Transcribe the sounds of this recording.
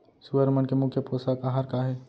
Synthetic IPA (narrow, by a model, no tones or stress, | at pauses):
suəɾmənkemʊkʰjəpɾoːsakaɦaɾkaɦe